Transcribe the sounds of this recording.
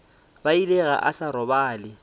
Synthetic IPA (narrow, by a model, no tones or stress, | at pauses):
baileɣa̰ʔasaɾɔbaːlɪ